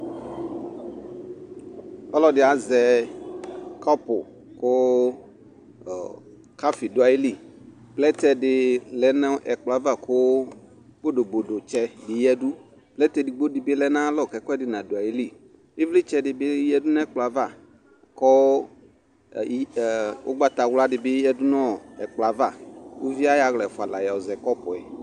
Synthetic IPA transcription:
ɔ˦lɔ˦dɪ˨a˨zɛ˨ | kɔ˦pʊ̰˨ | ko˦˨ | ka˦fi˨dʊ˨˦a˨ji˦li˦˨ | k͡plɛ˦t̪ɛ˦ɖɪ˨lɛ˨nɛ˦ʔɛ˨k͡plɔ˨a˦va˦˨ko˦ | ɡ͡bo˦do˨bo˨do˨t͡ʃɛ˦dɪ˨jɛ˦du˦ | plɛ˦t̪ɛ˦di˨ɡ͡bo˦di˨be˦lɛ˨˦nã˦lɔ˦˨kɛ˨kɔ˦ɛ˦dɪ˨nã˨do˨a˨ji˦li˦˨ | e˦vle˦t͡ʃɛ˦dɪ˨be˦jɛ˦du˦nã˦k͡pla˨˦va˦˨ | kɔ˦˨ | wʔo̰˦ɡ͡ba˦t̪a˨wla˦ɖɪ˨bɪ˦jɛ˦du˦nɔ̃˦˨ɛ˨k͡pla˨va˦˨wo˦vi˦a˦ja˨ɣlɛ˨fɔ˨a˨la˨ja˨o˨zɛ˨kɔ˦pɔ˨ɛ˨

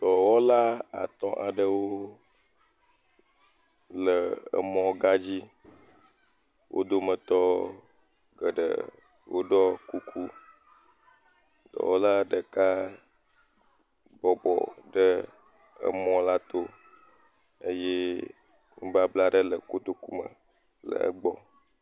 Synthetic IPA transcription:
t̪ɔ˨wɔ˦la˦a̰˨t̪ɔ̃˦ʔa˨ɖə˦wo˦ | lə˨ə̰˨mɔ̃˦ɡa˦d͡ʑi˦ | wʔo̰˦d̪o˦mə˨t̪ɔ˦ | ɡə˨ɖə̰˨ | wo˦ɖɔ˦ku˦kʰu˦ | d̪̥ɔ̰˨wo˦la˦ɖə˨ka˦ | bɔ˨bɔ̰˨ɖə˦ | ə̰˨mɔ̃˦la˦t̪o˦ | ə˦je˦ | ŋṵ̃˦ba˦bla˦ɖə˦lə˨ko˦d̪o˦ku˦mə̰˨ | lə̰˨ə̰˦ɡ͡bɔ˨

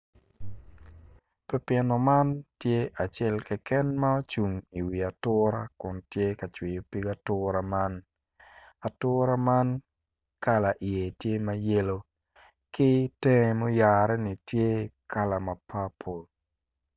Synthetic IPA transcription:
pɛ˦pjɛ˨nɔ˨ma˦ntje˦ʔa˨t͡ʃɛ˦lkɛ˨kɛ˦nma˦o˦t͡ʃu˨ŋi˨wi˨a˨tʊː˦ɾa˦kʊ˨ntje˦ka˨t͡ʃwi˨jo˨pi˦ɡa˦tʊɾa˦ma˦n | a˨tʊːɾa˦ma˦n | ka˦la˨ʔi˨e˨tje˦ma˦je˦lo˦ | kɪ˦tɛ˦ŋ˦mo˦ja˨ɾɛ˦nɪ˨tje˦kʰa˦la˨ma˨pʰa˦pʰo˨l

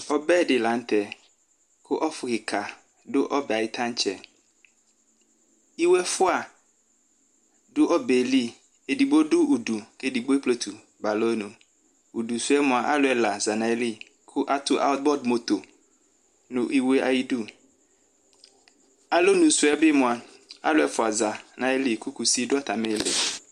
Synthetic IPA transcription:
ɔ˦bɛ˦˨dɪ˨la˨˦n̩˦t̪ɛ˨ | kʰʊ˦ʔɔ˦fʊ˨ɣɪ˨kʰa˨ | dʊ˦ʔɔ˦bɛ˨a˨jɪ˦t̪ʰã˦n˦t͡ʃʰɛ˨ | i˦wɛ˦fʊ˦a˨ | dʊ˦ʔɔ˦be˨li˦ | e˨di˨bo˦dʊ˦u˨du˨ke˦di˨ɡ͡bo˦e˦plo˦t̪ʰu˨ | ba˨lo˦nũ˨ | u˨du˨su˦ɛ˦mʊ̃˨a˨ʔa˦lʊ˦ɛ˨la˨za˨nã˨˦li˦ | kʰʊ˦ʔa˦tʰʊ˦ʔa̰˦ʊ˦t̪̚bɔ˦dmo˨t̪o˨ | nʊ̃˨ʔi˦we˦ʔa˨ji˦du˦ | a˨lo˦nũ˨su˨˦ɛ˦bɪ˦mʊ̃˨a˨a̰˦lʊ˦ɛ˨fʊ˨a˨za˨nã˨ɛ˦li˦kʰʊ˦ku˨si˦dʊ˦a˦˨t̪ʰa˨mẽ˦˨lḛ˨

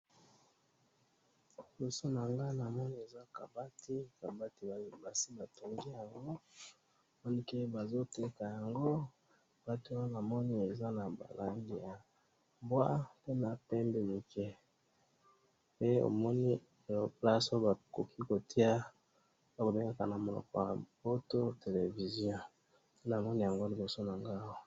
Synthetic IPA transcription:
lo˨so˦na˨ŋɡa˦na˨mɔ˦ni˦e˨za˦ka˨ba˦ti˦ka˨ba˦ti˨ba˨ba˨si˦ba˨to˨ŋɡi˦ja˨ŋɡo˦ | o˨mɔ˦ni˦ke˦ba˨zo˦te˦ka˨ja˨ŋɡo˦ | ka˨ba˦ti˦na˨mɔ˦ni˦e˨za˦na˨ba̰˨la˨ŋɡi˦ja˨ | bwa˦pe˦na˨pɛ˦mbe˦ni˨kɛ˦ | pe˦o̰˨mɔ˦ni˦˨ | jo˨pla˦so˦ba˨ko˨kʰi˦ko˨ti˦a˦ | ba˦ko˨be˦ŋɡa˦ka˨na˨mo˨lɔ̰˨kɔ˨ja˨b̥o˦to˦te˨le˨vi˨zjɔ̃˦ | na˨mɔ˦ni˦ja˨ŋɡo˦li˨bo˨so˦na˨ŋɡa˦ko˨

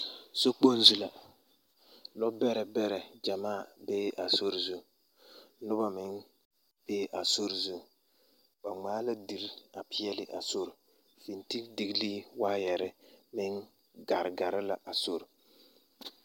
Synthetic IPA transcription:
so˦k͡po˦n˦zu˦la˨ | lɔ˦bɛ˦ɾɛ˨bɛ˦ɾɛ˨d͡ʒa˨maː˦˨beː˦ʔa˨so˦ɾzu˦ | nʊ˦ba˦mɪ˨˦n | b̥eː˦ʔa˨so˦ɾzu˦ | ba˨ŋ͡maː˦la˦di˨ɾa˨pʰɪ˦ɛ˦lɪ˨ʔa̰˨so˦ɾ | fi˨nti˦kdi˨ɡliː˦waː˦jɛ˨ɾɪ˦mɪ˦ŋ | ɡa˨ɾɡa˨ɾɪ˦la˨ʔa˨so˦ɾ

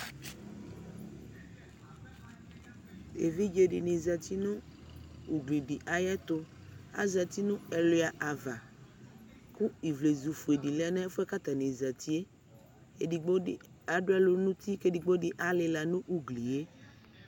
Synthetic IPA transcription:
ḛ˨vi˦d͡ʒe˨ɖi˨nĩ˨za˨t̪i˦nʊ̃˦ | u˨ɡli˨ɖi˨ʔa˨jɛ˦t̪o˦ | a̰˨za˨t̪i˦nʊ̃˦ɛ˨lo˨˦a˨ʔa˨va˨ | ku˦i˨vle˨zu˨fu˨e˨ɖi˨la˦nɛ̃˦e˦fo˦ɛ˦ka˦t̪a˨nĩ˨za˨t̪i˦e˦˨ | ɖi˨ɡ͡bo˦˨ | a˨ɖo˦ɛ˦lo˨nũ˦t̪i˦ke˦di˨ɡ͡bo˦ɖi˨ʔa˨lɪ˨la˨nũ˦ʔu˨ɡli˨e˦

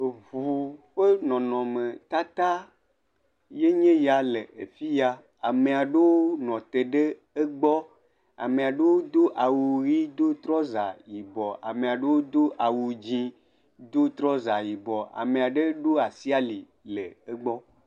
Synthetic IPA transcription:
vu˨ɸe˦nɔ̃˨nɔ̃˨mẽ˨t̪a˦t̪a˦ | je˦ɲẽ˦ja˨le˨e˨fi˦ja˦ | a˨me˨a˨ɖe˦wo˦nɔ̃˨t̪e˨ɖe˦ | e˦ɡ͡bɔ˦ | a̰˨me˨a˨ɖe˦wo˦d̪o˦ʔa˨wu˨ɣi˦d̪o˦t̪ɾɔ˦za˨ji˨bɔ˨a̰˨mẽ˨a˨ɖe˦wo˦d̪o˦ʔa˨wu˨d͡ʑĩ˦ | d̪o˦t̪ɾɔ˦za˨ji˨bɔ˨a̰˨mẽ˨a˨ɖe˦ɖo˦a˨si˦a˦li˨ | le˨e˦ɡ͡bɔ˦

